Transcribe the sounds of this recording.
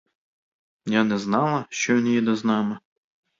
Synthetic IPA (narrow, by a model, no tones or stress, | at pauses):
mnʲanɛznɑlˠɐʃt͡ʃɔjɔnjɛd̪ɛznɑmɨ